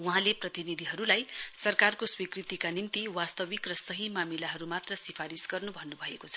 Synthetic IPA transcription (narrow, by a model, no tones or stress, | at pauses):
wuɦãleprʌt̪inid̪ʱiɦʌɾulajsʌrkarkoswikrit̪ikanimt̪iwast̪ʌwikrʌsʌɦimamilaɦʌɾumat̪rʌsipʰaɾisɡʌrnubʱʌnːubʱʌekot͡sʰʌ